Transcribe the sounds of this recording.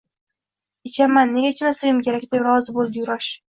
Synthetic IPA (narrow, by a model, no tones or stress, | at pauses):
ɪt͡ʃʰamanːe̞ɡʲat͡ʃʰɪnasɪjɪmkʲʰeɾakʲd̪ebɾɒzɪbolˠd̪ɪjʊɾɒʃ